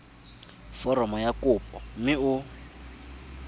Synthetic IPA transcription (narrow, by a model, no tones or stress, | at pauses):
fɔɾɔmɔjakupɔmiʊ